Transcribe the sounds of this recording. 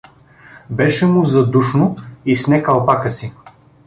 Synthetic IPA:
bɛʃɛmʊzɐd̪uʃnʊisnɛkɐlˠpakəsi

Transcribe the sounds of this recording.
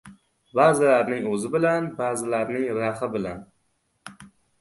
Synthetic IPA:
baːzɪlaɾnɪŋɵzɪbɪlanbaːzɪlaɾnɪŋɾahɪbɪlan

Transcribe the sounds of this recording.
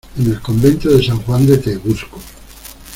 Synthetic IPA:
enelkombent̪oðesaŋxwand̪ekeɣusko

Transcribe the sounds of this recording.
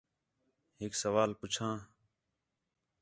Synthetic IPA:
ɦɪksəʋaːlpʊt͡ʃʰãː

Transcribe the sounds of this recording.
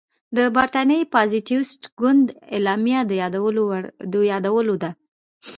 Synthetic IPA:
d̪əbaɾt̪ɑnəjpɑziʈiwsʈɡʊnd̪elɑmjad̪əwod̪əjɑd̪awəlod̪a

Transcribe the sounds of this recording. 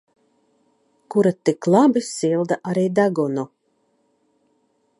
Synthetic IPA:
kuɾat̪iklˠabisilˠd̪aʔaɾijd̪aɡɔnu

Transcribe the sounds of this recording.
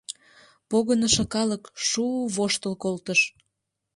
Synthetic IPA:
poɣənəʃə̆kɑləkʃuβoʃt̪əlkolt̪əʃ

